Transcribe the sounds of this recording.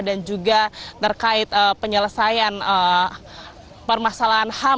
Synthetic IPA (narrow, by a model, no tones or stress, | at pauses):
dand͡ʒuɡat̪ːərkaɪt̪̚əpəɲələsajanə | pərmasalaɦanha